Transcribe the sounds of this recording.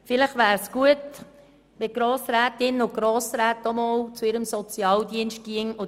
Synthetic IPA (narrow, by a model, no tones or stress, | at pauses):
fɪləχʋæːɾsɡ̥uət̪ | ʋɪɡ̥ɾoːsɾæːt̪ɪnʊɡ̥ɾoːsɾæːt̪ɔmɔːwt͡suɪɾəmsɔt͡sjɑːld̪iənʃt̚ɡ̥iəŋʊ